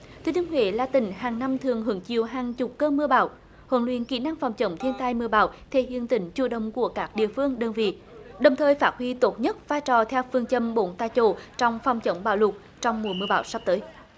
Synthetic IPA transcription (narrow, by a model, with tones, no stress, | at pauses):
t̪ʰi˨˧˦ni˧ŋhwḛ˧˦laː˨˩t̪ï˧˩˦ŋ̟ɦaː˨˩ŋna˧mt̪ʰɨ˨˩əŋɦɨ˨˦əŋt͡ɕi˧˨əwɦaː˨˩ŋt͡ɕʊ˨˩k͡p̚kəː˧mɨ˧əɓa̰ː˧˦w | hə̰˨˧˦nlwḭ˧˨ənkḭ˧˩na˧ŋfɔ˨˩wŋ͡mt͡ɕə̰˨˦wŋ͡mt̪ʰi˧ənt̪aː˧jmɨ˧əɓa̰ː˧˨˦wt̪ʰḛ˧˩hḭ˧˨ənt̪ï˨˩˦ŋ̟t͡ɕu˧˩ɗə̰˧˨wŋ͡mku˧˩əkaː˦˥k̚ɗḭ˧˨əfɨ˧əŋɗəː˧˩nvḭ˧˨ | ɗə˨˩wŋ͡mt̪ʰəː˨˩jfaː˦˥t̚hwi˧t̪o˨˦˥t̚ɲə˦˥t̚vaː˧jt͡ɕɔ˨˩t̪ʰɛ˧wfɨ˧əŋt͡ɕə˧˩mɓo˨˦nt̪aː˧jt͡ɕo˧˩t͡ɕɔ˧wŋ͡mfɔ˨˩wŋ͡mt͡ɕə˧˦wŋ͡mɓa̰ː˧˦wlʊ˨˩k͡p̚ | t͡ɕɔ˧wŋ͡mmu˨˩mɨ˧əɓaː˧˦wsa˦˥p̚t̪əː˨˦j